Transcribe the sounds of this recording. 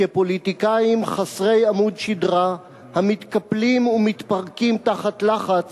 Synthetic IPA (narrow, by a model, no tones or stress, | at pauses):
epo̞lit̪ikajimχasʁe̞jamud̪ʃidʁa | hamit̪kaplimumit̪paʁkimt̪aχat̪laχat͡s